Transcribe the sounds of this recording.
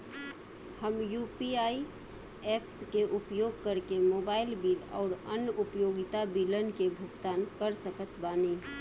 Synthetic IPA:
həmjupiai | epskeʔupjoːɡ̚kəɾkemoːbaːɪlbilɔ̰ʊɾə̰njupjoːɡɪt̪abilənkebʱʊɡt̪aːnkəɾsəkət̪baːni

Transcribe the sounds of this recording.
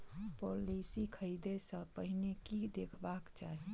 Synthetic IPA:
polisikʰəid̪esə̃pəɦinekid̪ekʰbakt͡ʃaɦi

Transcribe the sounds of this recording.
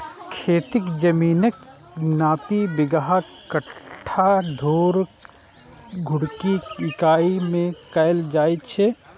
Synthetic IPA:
kʰeːt̪ɪkd͡ʒəmiːnək | naːpibɪɡɦa | kəʈʰːad̪ʱoːɾ | ɡʱʊɽkiɪkaːimẽkəld͡ʒaːjt̪t͡ʃʰɛ

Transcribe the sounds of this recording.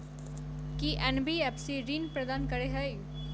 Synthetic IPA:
kiʔɛnbiɛpsiɾiːnpɾɐd̪aːnkɐɾeɦəi

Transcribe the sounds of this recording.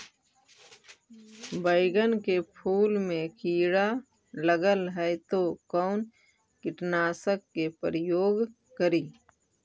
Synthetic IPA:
bəɪɡənkepʰuːlmẽkiːɽa | ləɡəlɦɛt̪okɔːn | kɪʈnaːsəkːepəɾəjoːɡ | kəɾiː

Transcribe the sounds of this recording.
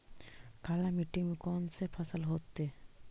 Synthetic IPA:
kalamiʈiŋmekɔnsepʰəsəlɦot̪ːe

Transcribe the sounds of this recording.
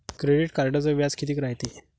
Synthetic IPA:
kɾeɖiʈkaɾɖət͡səʋjad͡zkit̪iːkɾaɦjt̪i

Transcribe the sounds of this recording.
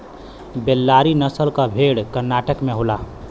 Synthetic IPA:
belːaɾinəsəlkəbʱeɽkəɾnaʈəkmeɦola

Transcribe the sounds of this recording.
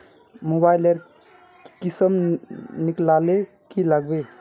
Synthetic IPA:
mobajleɾ | kisəmniklale | kilaɡ̚be

